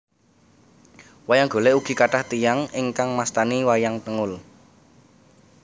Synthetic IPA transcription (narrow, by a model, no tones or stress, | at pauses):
wajaŋɡ̥o̤leuɡ̥i̤kaʈaht̪ijaŋɪŋkaŋmast̪aniwajaŋt̪əŋʊl